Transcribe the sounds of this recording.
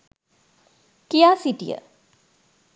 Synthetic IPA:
kijaːsiʈijə̰

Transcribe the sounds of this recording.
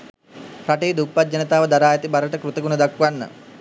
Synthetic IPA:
pɾaʈeːd̪upːat̪̚d͡ʒanət̪aːʋəd̪aɾaːjat̪ibaɾəʈəkɾut̪əɡunəd̪akʋanːə̰

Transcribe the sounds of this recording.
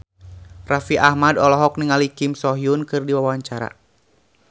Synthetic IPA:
rafiʔahmadɔlɔɦɔk̚niŋalikimsɔɦiunkɨrdiwawaɲt͡ʃaɾa̰

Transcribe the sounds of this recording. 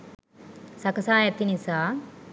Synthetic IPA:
sɐkɐsaːjɐt̪inisa

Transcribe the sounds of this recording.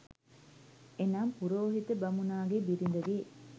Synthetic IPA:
enaːmpuɾoːɦit̪əbɐmunaːɡebiɾind̪ɐʋi

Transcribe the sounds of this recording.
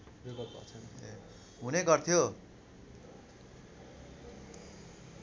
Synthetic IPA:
beɡʌt̪̚pʌ̰t͡sʰʌne | ɦuneɡʌrt̪ʰijo

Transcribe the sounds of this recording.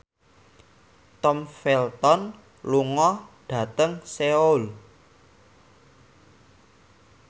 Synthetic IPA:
t̪ɔmfɛlt̪ɔn | luŋɔɖ̥ä̤t̪əŋseol

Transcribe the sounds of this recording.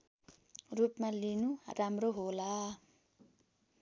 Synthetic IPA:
rupmalinuramroɦola

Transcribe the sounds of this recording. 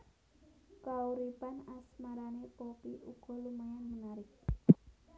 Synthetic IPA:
kauɾipanasmaɾanepopiʔuɡ̥ɔ̤lumaŋanmənaɾɪk̚

